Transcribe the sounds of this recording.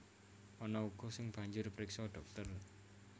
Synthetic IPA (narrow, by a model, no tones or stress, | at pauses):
ɔnɔuɡ̥ɔ̤sɪŋb̥a̤ɲd͡ʒʊrpɾɪksɔɖ̥ɔ̤k̚t̪ər